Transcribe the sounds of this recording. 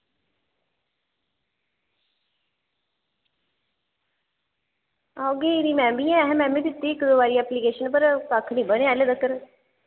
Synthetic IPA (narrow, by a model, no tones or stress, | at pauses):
aɡeːɾiːmɛ̃ːmbijãːɛɦɛ̃mɛ̃ːmiːd̪ɪt̪ːiːɪkd̪oːbaːɾiːɛːpliːkeːʃənpəɾkakʰnĩːbəɽ̃eːɛːled̪əkəɾ